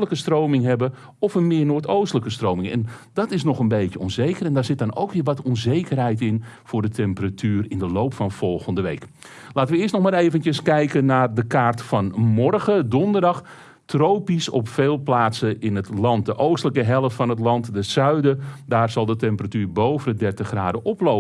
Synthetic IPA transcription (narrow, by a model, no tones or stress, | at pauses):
ləkəstrowmɪŋɦɛbə | ɔfənmɪːnoːtowstələkəstroːmɪŋɛ̰ndɔtɪsnɔxənbejtjəɔnzejkərɛndaːrzɪt̚dɔno̰wkʋiːʋɔtɔnzejkərɦɛjtɪn | fʊːrdətʰɛmpəratʰyːrɪndəlowpfɔnfɔlˠɣəndəʋḛjk | laːtənʋəɪəstnɔxmaːɾeːvəntjəskɛjkənaːrdəkaːrtfɔnmɔrɣədɔndərdɑx | troːpisɔpfeːlˠplaːtsəɪnətlɑnt̚dəʔowstələkəɦɛlˠəftfɔnətlɑntdəsœɥdədaːrzɑlˠdətɛmpəratyːrbowvəndədɛrtəxraːdəʔɔploː